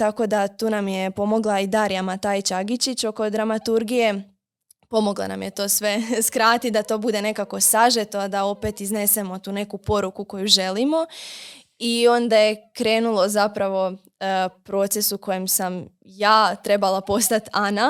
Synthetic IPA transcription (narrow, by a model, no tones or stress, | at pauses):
t̪ako̞d̪at̪uːnamje̞po̞mo̞ɡlˠaid̪aːɾijamat̪ait͡ʃaɡit͡ɕit͡ɕo̞ko̞d̪ɾamat̪uɾɡije̞ | po̞mo̞ɡlˠa̰na̰mje̞t̪o̞ːsʋe̞skɾaːt̪id̪at̪o̞ːbud̪e̞ne̞kako̞saʒet̪oad̪ao̞pe̞t̪izne̞se̞mo̞t̪uːne̞kupo̞ɾukuko̞juʒe̞limo̞ | io̞nd̪aje̞kɾe̞ːnulˠo̞zapɾaʋo̞ | pɾo̞ːt̪se̞suko̞jemsam | jaːt̪ɾe̞balapo̞st̪at̪ana